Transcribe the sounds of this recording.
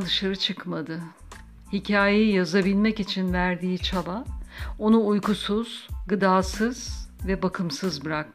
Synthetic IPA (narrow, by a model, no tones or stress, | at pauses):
d̪ɯʃaɾɯt͡ʃʰɯkmad̪ɯ | hicʰaːjejjazabilʲmɛcit͡ʃʰinvæɾd̪iːt͡ʃʰalao̞nuːjkusuz̥ɡɯd̪aːsɯz̥vɛbakʰɯmsɯzbɯɾak̚